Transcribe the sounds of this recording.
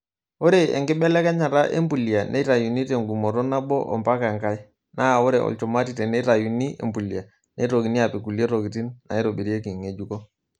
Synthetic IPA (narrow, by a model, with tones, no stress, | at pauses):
ɔ˦ɾe˦ḛ˨ŋɡɪ˦ɓɛ˦lɛ˦ka˦ɲa˨ɾa˦ʔḛ˦mbu˨li˨a˨nʔḛ˦ɾa˨ju˨ni˦te˨ŋɡu˨mɔ˨ɾɔ˦na˦bɔ̰˦ʔɔ̰˨mpa˦ka˨ŋka˦j | na˦˨wɔ˦ɾɛ˨ɔ̰˨lt͡ʃɔ˨ma˦ti˨tɛ˨ne˦ɾa˨ju˨ni˦ḛ˨mbu˨li˨a˨ | ne˦ɾo˨ɡi˨ni˦a˨pi˨ku˨li˦e˦ɾo˨ɡi˨ti˦nna̰˨i˦ɾo˨bi˨ɾi˦e˦ki˨ŋe˨d͡ʒu˦kɔ˦